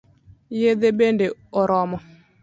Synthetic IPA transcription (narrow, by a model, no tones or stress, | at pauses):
jed̪ebendeɔɾɔmɔ